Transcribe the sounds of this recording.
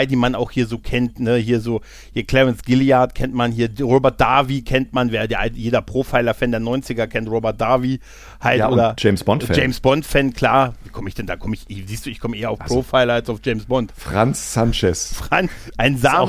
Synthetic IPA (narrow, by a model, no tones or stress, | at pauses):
ɪdiːmanaʊxhiːɐzoːkʰɛntnəhiːɐzoː | hiːɐkʰl̥ɛʁɛnsɡ̥ɪliaɐtkʰɛntmanhiːɐʁoːbɛɐt̚d̥aɐvikʰɛntmanvɛːʁədeːɐʔajeːdɐpʁ̥oːfaɪlɐfɛːndeːɐnɔʏnt͡sɪɡɐkʰɛntʁoːbɛɐt̚d̥aɐvi | halʔʔoːdɐ̥ʒ̥ɛɪmsb̥ɔntd͡ʒɛɪmsb̥ɔntfɛnkʰl̥a̰ːɐviːkʰɔməɪçd̥ɛndaːkʰɔməɪçʔɪziːstd̥uːɪçkʰɔməʔeːɐaʊpʁ̥ofaɪlɐalsaʊfd͡ʒ̥ɛɪmsb̥ɔntfʁ̥ansːant͡ʃɛsfʁ̥anʔaɪnzaː